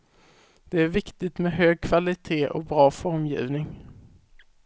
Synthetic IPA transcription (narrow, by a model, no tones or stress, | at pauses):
d̪̥ɛæɾvɪkt̪ɪt̪mɛɦøːɡ̚kʰvalɪt̪ʰeːʔɔ̰bɾɑːfɔɾmjḭːvnɪŋ